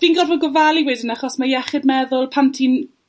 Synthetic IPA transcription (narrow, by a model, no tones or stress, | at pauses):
viːnɡɔdvɔɡɔvalˠiwɛːdɪnaχɔsmajɛχɪdmɛðʊlˠpʰantʰin